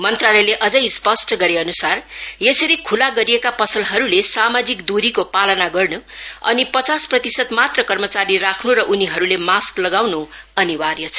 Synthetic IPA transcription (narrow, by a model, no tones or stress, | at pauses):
mʌnt̪ralejleʔʌd͡zʌjspʌsʈʌɡʌɾeʌnusarjesʌɾikʰulaɡʌɾijekapʌsʌlɦʌɾulesamad͡zikd̪uɾikopalʌnaɡʌrnuʌ̰nipʌt͡sasprʌt̪isʌt̪mat̪rʌkʌrmʌt͡saɾirakʰnuɾʌʔuniɦʌɾulemasklʌɡawnu | ʌniwarjʌt͡sʰʌ̥